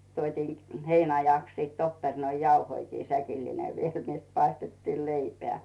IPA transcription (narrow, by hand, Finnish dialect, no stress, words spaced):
tuotʲiːn heinɑjɑks siːt opːernoijɑuhoikiː sækilːineʋ ʋiel net pɑistetːiːl leipeæˑ